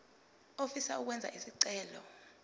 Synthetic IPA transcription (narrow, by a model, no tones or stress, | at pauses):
ofisauk̬wɛnd͡zʱa̰ʔisiǀɛːlɔ